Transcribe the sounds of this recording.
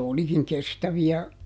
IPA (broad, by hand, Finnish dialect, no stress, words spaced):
olikiŋ kestæʋiæ